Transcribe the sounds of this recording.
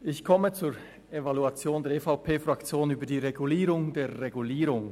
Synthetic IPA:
ʔɪçkʰɔmət͡suːɾ | evaluat͡sjoːndeːɐefaʊpʰeːfʁakt͡sjoːnyːbədiːʁeɡuliːɾʊŋdeːeɡuliːɾʊŋ

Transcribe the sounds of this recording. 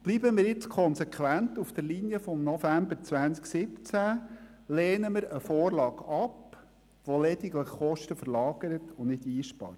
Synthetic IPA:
b̥liːbəmiːɾjɪt͡skʰɔnsɛkχʋæntufd̥əɾlinijəfɔmnɔfæmbəɾt͡sʋænsksɪpt͡sæ | leːnəməɾəfoːrlɑːɡɑp | ʋolɛdiɡləχχɔʃtəfəɾlɑːɡ̥əɾətʊnɪdiːʃpɑ̰ːɾt

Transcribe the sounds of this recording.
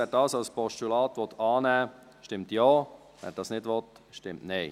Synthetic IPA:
ɛːɾdɑːsɑlspɔʃtulɑːt̪ʋɔt̪ʰɑːnɛː | ʃtɪmtjoː | vɛ̰ːɾd̥ɑːsnɪdʋɔt | ʃtɪmtneɪ

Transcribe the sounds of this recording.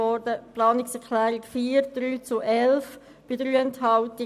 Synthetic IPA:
ɔːɾdəplɑːnɪksɛɾkʰlæːɾɪkfiːɾd̥ɾyːt͡sʊʔɛlf | b̥ɪdɾyːɛnthɑltɪ

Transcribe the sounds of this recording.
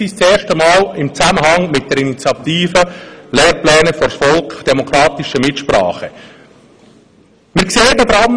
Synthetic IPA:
ist͡sɛːɾʃtəmɑːlɪmt͡sæməɦɑŋmɪt̚d̥ɛɾinit͡sjɑt̪iːfəlɛːɾplɛːnəfɔɾsfɔlkd̥ɛmɔkʰɾɑːt̪ɪʃəmɪtʃpɾɑ̰ːχə | mɪːɾkseːədədɾɑm

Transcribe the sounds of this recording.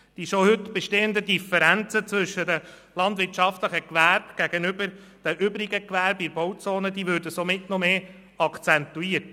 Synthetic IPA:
d̥iʃohɵtb̥ɛʃteːənd̪ədifɛɾænt͡sət͡sʋɵʃːədə | lɑnd̪ʋɪɾt͡ʃɑft̪ləχəkʋæɾb̥ɡ̥æɡ̥ənʏbəɾ | d̥æʔʏbɾiɡəkʋæɾbiɾbɔwt͡soːnəd̥̪iːʋøːɾdəsomɪtnɔmeː | ɑkʰt͡sɛnt̪ːuiːəɾt

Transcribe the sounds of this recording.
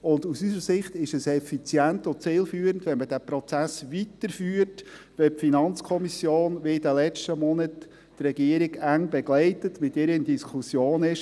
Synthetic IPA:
ʊndusysəsɪχt̪ɪʃəsɛfit͡sjæntot͡sɪːlfyːəɾən̩dʋɛnməd̥æpɾɔt͡sæsʋitəɾfyːt | ʋɛpfinɑnt͡skʰɔmisjoːnʋeɪdəlɛt͡ʃtəmɔnətː | rɛɡiəɾɪɡæŋbɛɡ̥lɛɪtətmɪtɪɾənd̥iskʰusjoːnɪʃ

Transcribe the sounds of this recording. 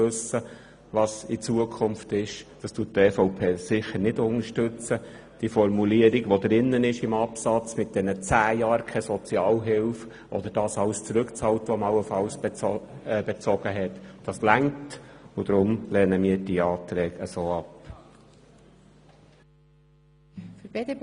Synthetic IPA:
ɵsə | ʋɑsit͡suəkʰʊmftɪʃd̥ɑstuəttɛfoʊpʰeːsɪχəɾnɪdʊnəʃtɵt͡sə | d̥ifɔɾmuliəɾiɡʋɔd̪ɾɪnːənɪʃɪmɑpsɑt͡smɪt̚d̥ɛnət͡sæːjɑːɾkʰɛsɔt͡sjɑːlɦɪlf | ʔɔ̰d̥̪əɾd̥ɑːsɑwst͡sɾɵkt͡sɑwtʋɔmɑwːəfɑws | b̥ɛt͡sɔɡ̥əɦɛtd̥ɑslæŋtʊd̥̪ɾʊmlɛːnəmiːəɾd̥iːɑːt̪ɾɛːɡəsoːɑp | fbede

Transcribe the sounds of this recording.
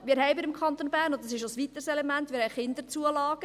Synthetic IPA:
mɪːɾɦɛɪbɪdɪmkʰχɑnt̪onbæːɾnoddɑsɪʃosʋit̪əsɛlemænt̪ːʋɪːɾhɛɪjχɪnd̪əɾt͡suəlɑːɡ̥ə

